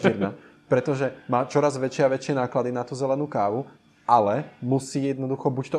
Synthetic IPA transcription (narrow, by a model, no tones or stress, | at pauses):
iɾnapɾɛt̪ɔʒɛmaːt͡ʃɔɾazʋɛt͡ʃɪaʋɛt͡ʃɪɛnaːklad̪inat̪uːzɛlɛnuːkaːʋu | ʔalɛmusiːjɛd̪nɔd̪uxɔbuct̪ɔ